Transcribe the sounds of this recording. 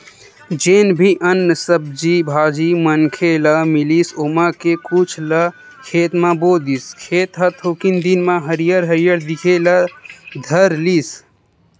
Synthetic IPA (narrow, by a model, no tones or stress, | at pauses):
d͡ʒenbʱiʔənːəsəb̚d͡ʒibʱaːd͡ʒimənkʰeləmilisomãkekut͡ʃʰlə | kʰet̪mãbod̪iskʰet̪ɦət̪ʰokind̪inmãɦəɾijəɾɦəɾijəɾd̪ikʰeləd̪ʱəɾlis